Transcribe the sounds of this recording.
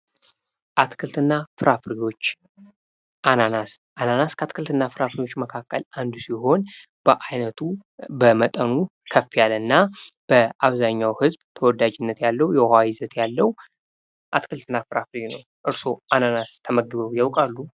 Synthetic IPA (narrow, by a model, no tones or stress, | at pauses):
ʔat̪kʰɨlt̪ʰɨnːafɨɾafɾiwo̞t͡ʃː | ʔananasʔananaskʰət̪kʰɨlt̪ʰɨnːafɨɾafɾiwo̞t͡ʃːməkʰakʰʼːə̰lʔand̪usiho̞n | b̥əʔajnət̪ʰubəmət̪ʼənu | kʰəfːijalɨnːab̥əʔaβzaɲːawhɨzbt̪ʰəwɔd̪ad͡ʒɪnːət̪jalːəwjɛhajɪzət̪jalːəw | ʔat̪kʰɨlt̪ʰɨnːafɨɾafɾinə̰w | ʔɨɾso̞ʔananast̪ʰəməɡːɨβəwjawkʼalːu